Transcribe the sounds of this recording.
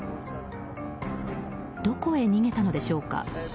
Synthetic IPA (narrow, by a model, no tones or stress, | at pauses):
d̪̥o̞ko̞e̞ɲ̟iŋe̞t̪ano̞d̪e̞ɕo̞ːka̰